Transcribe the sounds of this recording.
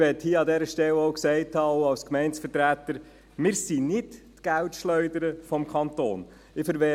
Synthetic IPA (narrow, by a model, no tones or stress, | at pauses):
ʋɛthiəɑd̪ɛɾəʃtɛlɔʊksɛɪthɑːoʊɑlskmɛɪntsfətɾæːtəɾ | mɪːɾsinɪttɡ̥æwtʃlœʏdəɾəfɔmkʰɑnto̰ːn | ɪfəɾʋɛ